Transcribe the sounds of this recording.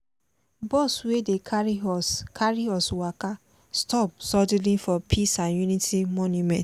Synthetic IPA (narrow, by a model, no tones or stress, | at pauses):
bɔswedekʰaɾiɔskʰaɹiɔswaka | stɔp̚sɔd͡ʒilĩnfɔpʰisãnjunitʰimɔnjumɛ̃nt